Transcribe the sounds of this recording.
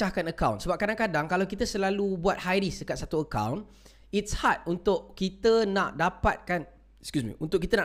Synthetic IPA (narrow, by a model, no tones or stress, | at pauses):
ahkanəkawnsəbap̚kadaŋkadaŋkalawkit̪əsəlalubuat̪̚hajɾisdəkat̪̚sat̪uəka̰wn | itshat̪̚unt̪ʊʔkit̪ənaʔdapat̪̚kan | skjusmḭʔunt̪ʊʔkit̪əna